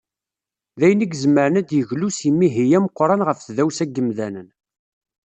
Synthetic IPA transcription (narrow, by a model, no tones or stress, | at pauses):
ðæjəniɡzmːəɾənæd̪jəʝlusimːiɦijæməqːɾˤɑnʁəfθðæwsæɡːəmðænən